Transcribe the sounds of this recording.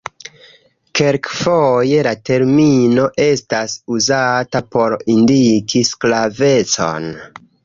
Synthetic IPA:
keɾkfoje̞late̞ɾmino̞ʔe̞stasuzatapo̞ɾindikʰisklave̞t͡so̞̰n

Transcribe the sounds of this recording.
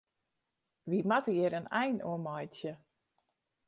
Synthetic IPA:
ʋimatəɪɾənɛjnṵəmɔjtjə

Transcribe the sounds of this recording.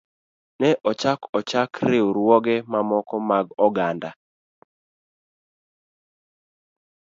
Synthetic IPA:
nɛʔɔt͡ʃakɔt͡ʃakɾeuɾwɔɡɛmamɔkɔmaɡɔɡanda

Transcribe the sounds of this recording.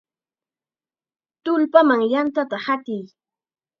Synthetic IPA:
t̪ʊlpamaŋjant̪at̪ahat̪ɪj

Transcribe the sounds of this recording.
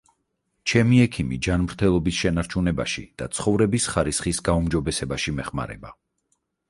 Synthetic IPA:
t͡ʃʰɛmiɛkʰimid͡ʒanmɾt̪ʰɛlˠɔbisʃɛnaɾt͡ʃʰunɛba̰ʃḭd̪̥a̰t̪sʰχɔvɾɛbisχaɾisχisɡaumd͡ʒɔbɛsɛbaʃimɛχma̰ɾɛ̰ba

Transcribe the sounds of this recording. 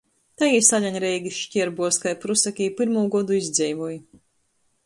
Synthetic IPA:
t̪ajiːsaʎʲaɲʲɾɛjɡʲiʃcʲiɾbuɔskajpɾusakʲiːpiɾmuːɡɔd̪uizd̪zʲɛjvuj

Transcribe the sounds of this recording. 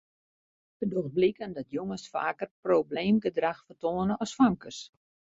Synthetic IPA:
fədoxblikəndɔtjoŋəsfa̰ːkərprowbleːmɡədraxfərtoːənəɔsfaŋkəs

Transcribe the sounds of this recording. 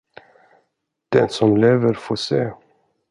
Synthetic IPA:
d̪̥ɛnsɔmleːvəɾfoːseː

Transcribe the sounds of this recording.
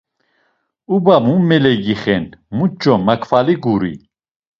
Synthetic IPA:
ubamumɛlɛɡiχɛnmut͡ʃʼːɔmakʰfaliɡuɾḭ

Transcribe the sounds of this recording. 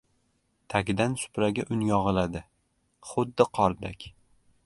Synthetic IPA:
t̪ʰakʲɪd̪ansʊ̥pɾaɡʲaʔʊnjɒʁɨlad̪ɪ | χʊd̪ːɪqʰɒɾd̪akʲ

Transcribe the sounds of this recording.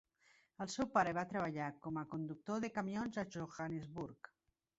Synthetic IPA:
əlˠsɛwpaɾəβ̞at̪ɾəβ̞aʎakɔmakond̪uk̚t̪oðekamjonzaʒoxanezβuɾk

